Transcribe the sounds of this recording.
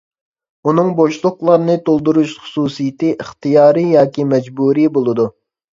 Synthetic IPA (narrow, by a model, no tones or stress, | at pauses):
unɨŋboʃlˠʊχlˠɑɾnɨt̪ʰolˠd̪uɾuʃχʊ̥suːsijɪt̪ɨʔiχt̪ɨjɑːɾɨjɑːkʲimɛd͡ʒbuɾibolˠɨd̪u